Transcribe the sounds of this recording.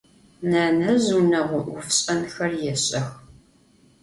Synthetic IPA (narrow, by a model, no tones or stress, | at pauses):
naːnɐzunɐʁʷʊʔʊfɕʼɐnxɐrjɛɕʼɐx